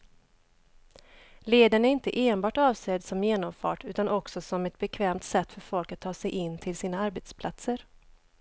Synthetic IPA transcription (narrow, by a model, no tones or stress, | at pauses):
leːd̪əɳæɾɪnt̪əʔeːnbɑːʈɑːvseːd̪sɔmjeːnɔmfɑ̰ːʈʉ̟ːt̪anʔɔksɔsɔmɛt̪̚bɛkʰvɛːmt̪sɛt̪ːfœɾfɔlkat̪ʰːɑːsɛjʔɪnːt̪ʰɪlsiːnaaɾbet̪spʰlat̪səɾ